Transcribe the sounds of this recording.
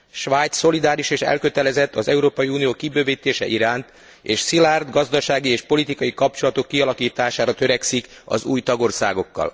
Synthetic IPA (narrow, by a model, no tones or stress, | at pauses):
ʃʋaːjt̪sːo̞lid̪aːɾiʃeːʃɛ̰lkø̞t̪ɛlɛzɛt̪ːɒzɛuɾoːpɒjiuːnijoːkibøːviːt̪ːeːʃɛʔiɾaːnt̪ | eːʃsilard̪ɡɒzd̪ɒʃaːɡieːʃpo̞lit̪ikɒjikɒp̚t͡ʃo̞lɒt̪o̞kːiɒlɒkiːt̪aːʃaːɾɒt̪øɾɛksikɒ̰zuːjt̪ɒɡo̞rsa̰ːɡo̞kːɒ̰l